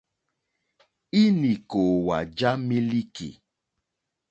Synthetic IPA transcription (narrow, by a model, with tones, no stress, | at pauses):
i˦ni˨ko˨wa˨d͡ʒa˦mi˦li˦kḭ˨